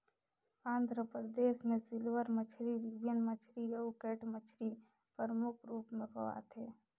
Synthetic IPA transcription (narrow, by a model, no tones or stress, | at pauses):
ãːnd̪ɾəpɾəd̪eːʃmẽsɪlʋəɾmət͡ʃʰɾiɾibjənmət͡ʃʰɾiɾeokeːʈmət͡ʃʰɾi | pəɾəmʊkʰɾuːpmẽpəʋa̰t̪ʰeː